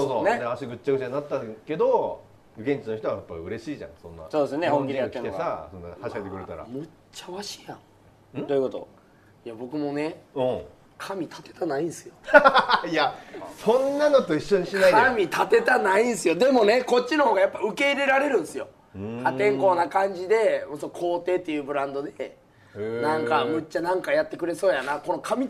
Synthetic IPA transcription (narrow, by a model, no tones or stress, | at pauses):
soːsoːned̪eaɕiɡɯ̟t͡ɕːaɡɯ̟t͡ɕanat̪ːake̞d̪o | ɯɡẽ̞ɲ̟t͡ɕino̞çi̥t̪oβajapːaɯ̟ɾe̞ɕiːʑã̰ŋ̃sõ̞nːa̰so̞ːd̪esnehõŋkʲiɾijak̪ːĩnesasonːahaɕihaet̪ekɯ̟ɾet̪aɾa̰mo | t͡ɕːaβaɕi̥jã̰ŋ | ɯ̃d̪ojɯ̟ko̞t̪o̞̰ | jabo̞kɯ̟mo̞ne̞ɯ̃ | kʰamʲit̪ʰḁt̪et̪anaĩnsɨ̥jo | jasõnːano̞t̪o̞iɕːo̞ɲiɕinaikamʲit̪at̪e̞t̪anaĩnsɨjo̞d̪e̞mo̞ne̞ko̞t̚t͡ɕːino̞hoːɡajapːaɯ̟ke̞iɾe̞ɾaɾe̞ɾɯ̟̃ɰ̃sɨjo̞̰ | hat̪ẽ̞ŋko̞ːnakãɲ̟d͡ʑid̪e̞mosokʰo̞ːt̪e̞ːt̪ːe̞jɯ̟ːbɯ̟ɾãnd̪o̞d̪e̞ | nãŋkamɯ̟t͡ɕːanãŋkajat̪ːe̞kɯ̟ɾe̞so̞ːjanako̞no̞kʰamʲi